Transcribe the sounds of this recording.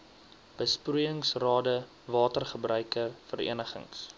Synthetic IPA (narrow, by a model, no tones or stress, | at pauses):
b̥əsprujəŋsrɑːdə | vɑːtərχəbrœɥkərfəɾḭənəχə̰ŋs